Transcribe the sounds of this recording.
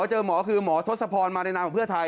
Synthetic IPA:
t͡ɕɤː˧mɔː˩˦˥kʰɯː˧mɔː˩˦t̪ʰo˦˥t̪̚sa˧pʰɔː˧nmaː˧a˧jna˦˥kɔː˨˩pʰɯ˥˩ɐt̪ʰa˧j

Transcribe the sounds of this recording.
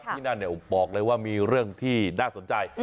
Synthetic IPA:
t̪ʰiː˥˩na˥˩nːi˧˩bɔː˨˩k̚lɤː˧jwaː˥˩miː˧ɾɯ˥˩əŋt̪ʰiː˥˩naː˥˩so˩˦nt͡ɕa˧j

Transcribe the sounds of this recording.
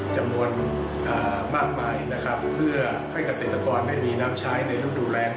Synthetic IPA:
t͡ɕa˧mnu˧ən | ʔaː˨˩ | maː˥˩k̚maː˧jna˦˥kʰa˦˥ppʰːɯ˥˩ɐə | ha˥˩jka˧seː˨˩t̪ːa˧kɔː˧ndaː˥˩jmiː˧naː˦˥mt͡ɕʰaː˦˥jna˧jɾu˦˥˩nduː˨˩ɾɛː˧ŋ

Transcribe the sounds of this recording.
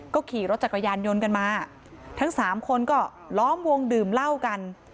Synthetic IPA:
kɔː˥˩kʰiː˨˩ɾo˦˥t̪̚t͡ɕa˨˩kʰːa˧jaː˧njo˧nka˧nmaː˧ | t̪ʰa˦˥ŋsaː˩˦mkʰo˧nkɔː˥˩ | lɔː˦˥mwo˧ŋdɯː˨˩mla˥˩wka˧n

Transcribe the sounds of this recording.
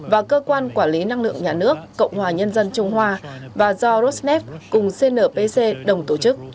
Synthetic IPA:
vaː˨˩kəː˧kwaː˧nkwaː˧˩nli˨˦na˧ŋlɨ̰˧˨əŋɲaː˨˩nɨ˦˥əkːə̰˧˨wŋ͡mhwaː˨˩ɲə˧nzə˧nt͡ɕʊ˧ŋ͡mɦwaː˧vaː˨˩zɔ˧ɾo˦˥t̚snɛ˦˥p̚kʊ˨˩ŋ͡mse˧nəː˨˩pe˧se˧ɗə˨˩wŋ͡mt̪o˧˩t͡ɕɨ˦˥k̚

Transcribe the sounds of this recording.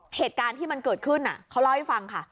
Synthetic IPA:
heː˨˩t̪̚kaː˧nt̪ʰiː˥˩ma˧nkɤː˨˩t̪̚kʰɯ˥˩nʔa̰˨˩kʰa˦˥wla˧˥wha˥˩jfa˧ŋkʰa˥˩

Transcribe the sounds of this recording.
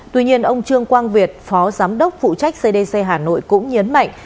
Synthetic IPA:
t̪wi˧ɲi˧ənʔə˧wŋ͡mt͡ɕɨ˧əŋkwaː˧nvi˨˩ət̚fɔ˨˦zaː˨˦mɗə˦˥wk͡p̚fṵ˧˨t͡ɕa˦˥jk̟̚se˧ɗe˧se˧ɦaː˨˩no̰˧˨jkʊ̰˧˥ŋ͡mɲə˨˦nma̰˧˨jŋ̟

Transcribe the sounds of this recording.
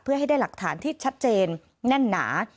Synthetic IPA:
pʰɯ˥˩ɐɦa˥˩jda˥˩jla˨˩k̚t̪ʰaː˩˦nt̪ʰiː˥˩t͡ɕʰa˦˥t̪̚t͡ɕeː˧nː | a˥˩nːa̰ː˩˦

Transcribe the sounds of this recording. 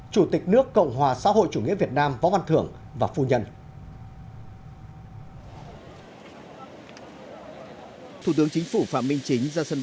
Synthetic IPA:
t͡ɕu˧˩t̪ï˨˩k̟̚nɨ˦˥əkːə̰˧˨wŋ͡mɦwaː˨˩sa̰ː˧˥ɦo̰˧˨jt͡ɕu˧˩ŋḭ˧˥əvi˨˩ət̚naː˧mvɔ̰˧˥˦va˧nt̪ʰɨ˧˩əŋ | vaː˨˩fu˧ɲə˧n | t̪ʰu˧˩t̪ɨ˨˦əŋt͡ɕï˨˦ŋ̟fu˧˩fa̰ː˧˨mï˧ŋ̟t͡ɕï˨˦ŋ̟zaː˧sə˧n

